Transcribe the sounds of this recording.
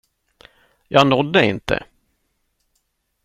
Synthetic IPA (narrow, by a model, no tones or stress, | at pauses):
jɑːnɔd̪ːəɪnt̪ʰə̰